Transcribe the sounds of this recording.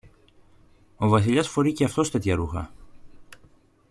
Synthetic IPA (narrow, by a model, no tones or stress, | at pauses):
o̞vɐs̬iʎɐsfo̞ɾiceɐft̪o̞st̪e̞t̪çɐɾuxɐ̰